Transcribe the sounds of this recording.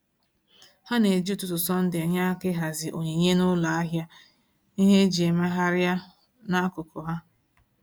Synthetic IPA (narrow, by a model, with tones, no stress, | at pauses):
ha˦ne˨d͡ʒi˦tʊ˨tʊ˨sɔ˦n̩˦dɪ˨a˨ɲa˦kɪ˦ɦa˨zɪ˨ʔo˨ɲe˨ɲe˦nʊ˦la˨a˦ɦja˦ | i˦ɦe˦d͡ʒi˨e˨ma˦ɦa˦ɾja˦ | na˦kʊ˨kʊ˨ɦa˦